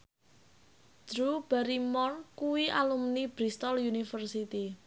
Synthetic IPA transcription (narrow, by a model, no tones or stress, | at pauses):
d̥ɾub̥aɾimɔrkuwiʔa̰lumnib̥ɾist̪ɔljunifərsit̪i